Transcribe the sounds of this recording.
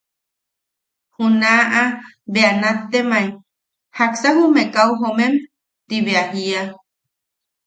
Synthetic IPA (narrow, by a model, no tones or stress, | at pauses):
hunaʔa | beanat̪ːemaj | haksaɦumekauɦomem | t̪iβeahia